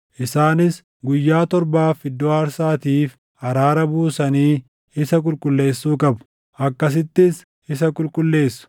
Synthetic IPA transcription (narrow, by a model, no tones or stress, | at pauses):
ʔɪsaːnɪs | ɡʊjːaːt̪ɔɾbaːfɪd̪ːoːɐɾsaːt̪iːf | ɐɾaːɾɐbuːsɐniː | ɪsɐk̬ʼʊlkʼʊlːe̞ːsːuːkʼɐbʊ̥ | ʔɐkːɐs̬ɪt̪ːɪs | ɪsɐkʼʊlkʼʊlːe̞ːsːʊ̥